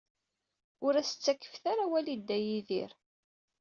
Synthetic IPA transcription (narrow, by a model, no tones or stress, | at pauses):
ʊɾæsə̥t͡sːækːə̥fθaɾawælid̪ːæjiðḭɾ